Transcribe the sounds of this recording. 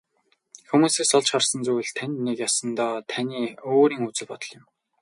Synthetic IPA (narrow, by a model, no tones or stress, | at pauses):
xumuːseːsɔɮt͡ɕχarsə̆nt͡suj̆ɮt̪ʰænʲnːekjasə̆nt̪ɔːt̪ʰaniːoːɾiːŋut͡sɘ̆ɮpɔt̪ɞ̆ɮɪ̆m